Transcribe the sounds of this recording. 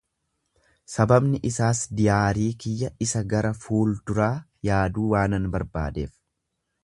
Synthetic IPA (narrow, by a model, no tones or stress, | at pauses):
sɐbɐbnɪʔɪsaːsd̪ɪjaːɾiːkɪjːɐɪsɐɡɐɾɐfuːld̪ʊɾaːjaːd̪uːwaːnɐnbɐɾba̰ːd̪e̞̰ːf